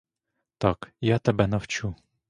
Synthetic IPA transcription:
t̪ɑkjat̪ɛbɛnɐwt͡ʃu

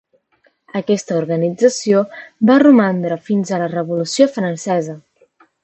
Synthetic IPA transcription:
əkɛst̪əuɾɣənid͡zəsiobarumand̪ɾəfinzələrəβulusiofɾənsɛzə

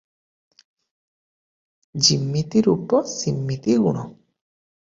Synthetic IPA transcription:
d͡ʒimːit̪iɾupːɔsimːit̪iɡunɔ

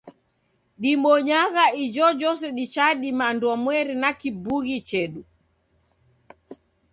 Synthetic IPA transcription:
ɗimɔɲaɣaid͡ʒɔd͡ʒɔs̬ɛɗit͡ʃaɗimandwamwɛɾinakibuɣit͡ʃɛɗu

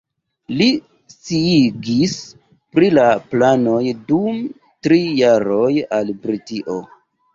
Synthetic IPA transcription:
li | siiɡis | pɾilaplano̞jdum | tɾijaɾo̞jalbɾitiʔo̰

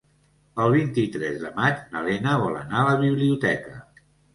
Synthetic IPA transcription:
əlˠβint̪it̪ɾɛzðəmad͡ʒnəlɛnəβ̞ɔlə̰naələβiβliut̪ɛkə

